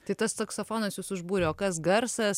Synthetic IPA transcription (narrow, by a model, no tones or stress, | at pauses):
t̪ɐɪt̪ɐssɐksofoːnɐsjuːsʊʒbuːɾʲɛoːkɐsɡɐɾsɐs